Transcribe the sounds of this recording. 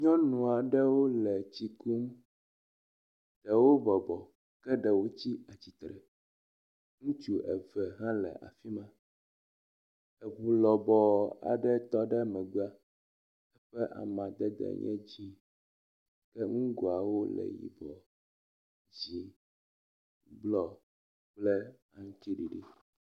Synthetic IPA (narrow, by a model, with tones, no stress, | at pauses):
ɲɔ̃˦nũ˨a˨ɖɛ˦wo˦lɛ˨t͡ɕi˨ku˦m | ɖ̪̥ɛ˨wo˦bɔ˨bɔ˨ | kɛ˦ɖɛ˨wo˦t͡ɕi˦a˨t͡ɕi˨t̪ɾɛ˨ | ŋũ˦t͡ʃu˦ʔɛ˨vɛ˨ɦã˦lɛ̰˨ʔa̰˨fi˦mã˦ | ɛ˨ɸu˨lɔ˨bɔ˨a̰˨ɖɛ˦t̪ɔ˦ɖɛ˦mɛ̃˨ɡ͡bu˦a˦ | ɛ˦ɸɛ˦ʔa̰˨mã˨d̪ɛ˦d̪ɛ̰˨ɲɛ̰̃˦d͡ʑi˦ | kɛ˦ŋũ˦ɡo˨a˨wo˦lɛ̰˨jḭ˨bɔ˨ | d͡ʑi˨ | blɔ˨ | k͡plɛ˦ | a˨ŋ̩˦t̪i˦ɖi˨ɖi˦